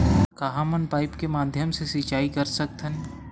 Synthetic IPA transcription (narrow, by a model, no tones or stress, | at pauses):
kɐɦãmɐnpaːɪpkemaːd̪ʱjəmsesit͡ʃaːikɐɾsɐk̚t̪ʰən